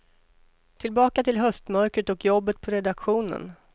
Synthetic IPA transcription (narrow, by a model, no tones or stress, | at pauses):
t̪ʰɪlbɑːkat̪ʰɪlɦœst̪mœɾkɾət̪ɔkjɔbːət̪̚pʰɔɾɛd̪akɧuːnə̰n